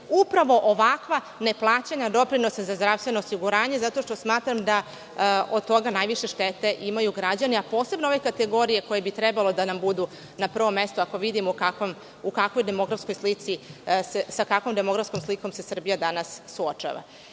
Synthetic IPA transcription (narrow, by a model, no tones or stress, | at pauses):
upɾaʋo̞ʔoʋakʋa | ne̞plˠaːt͡ɕaɲad̪o̞pɾinosazazd̪ɾafst̪ʋe̞no̞ːsiɡuɾaːɲe̞zat̪o̞ʃt̪o̞smaːt̪ɾamd̪a | od̪̚t̪o̞ɡanajʋiʃe̞ʃt̪et̪e̞ʔimajuɡɾad͡ʑaniapo̞ːse̞bnooʋekat̪eɡo̞ɾije̞ko̞jebit̪ɾɛbalˠo̞d̪anambud̪u | napr̩ʋo̞mːest̪uako̞ʋid̪imukakom | ukakʋo̞jd̪e̞mo̞ɡɾafsko̞jslit̪sisesakakʋo̞md̪emo̞ɡɾafskomsliko̞mse̞sr̩bijad̪anasːuot͡ʃa̰ːʋa̰